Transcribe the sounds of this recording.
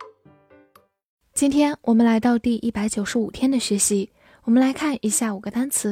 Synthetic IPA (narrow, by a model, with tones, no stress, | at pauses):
t͡ɕi˥nt̪ʰjɛ˥nwʔɔ˨˩mə˦nla˧˥ɪt̪ɑ˥˧ʊt̪i˥˧ʔi˥˩pa˧˥ɪt͡ɕjo˨˩ʊʂɻ̩˧˥u˨˩t̪ʰjɛ˥nd̪ə˨ɕɥɛ˧˥ɕi˧˥ | wɔ˨˩mə˦nla˧˥ɪkʰa˥˩nʔi˧˥ɕja˥˩u˨˩ɡ̥ə˦t̪a˥nt͡sʰɹ̩˧˥